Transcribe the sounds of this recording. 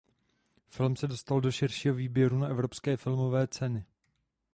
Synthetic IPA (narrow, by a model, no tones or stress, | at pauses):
fɪlmsɛdo̞st̪aldo̞ʃɪrʃiːɦoviːbjɛɾunaʔɛvɾopskɛːfɪlmo̞vɛːt͡sɛnɪ